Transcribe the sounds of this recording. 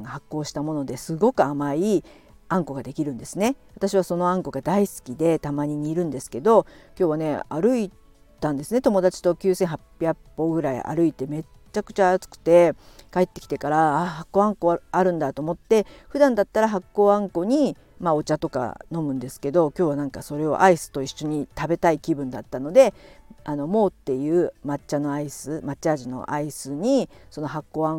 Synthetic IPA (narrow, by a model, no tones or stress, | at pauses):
ŋɡahakːo̞ːɕi̥t̪amo̞no̞d̪e̞sɨɡo̞kɯ̟amai | ãŋko̞ɡad̪e̞kʲiɾɯ̟̃nd̪e̞sɨne̞βat̪aɕiβ̞aso̞no̞ãŋko̞ɡad̪aisɨ̥kʲid̪e̞t̪amaɲ̟iɲ̟iːɾɯ̟̃nd̪e̞sɨ̥ke̞d̪o̞kʲo̞ːβane̞aɾɯ̟i | t̪ãnd̪e̞sɨne̞t̪o̞mo̞d̪at͡ɕi̥t̪o̞kʲɨːsẽ̞ɰ̃ɦapʲjakːo̞ɡɯ̟ɾaḭʔa̰ɾɯ̟it̪e̞me̞ | t͡ɕakɯ̟̥t͡ɕaːt͡sɨ̥kɯ̟̥t̪e̞kae̞t̪ːe̞kʲi̥t̪e̞kaɾaaːhakːo̞ːãŋko̞aɾɯ̟̃nd̪at̪oːmo̞t̪ːe̞ɸɯ̟d̪ãnd̪at̪ːaɾaɦakːo̞ːãŋko̞ɲ̟i | mao̞t͡ɕat̪o̞ka̰no̞mɯ̟̃nd̪e̞sɨ̥ke̞d̪o̞kʲo̞ːβ̞anãŋkaso̞ɾe̞o̞̰ʔaisɨ̥t̪o̞iɕːo̞ɲ̟it̪abe̞t̪aikʲibɯ̟̃nd̪at̪ːano̞d̪e̞ano̞mo̞ːt̪ːe̞jɯ̟ːmat͡ɕano̞aisɨmat͡ɕaːʑino̞̰ʔaisɨɲ̟iso̞no̞ɦakːo̞ːã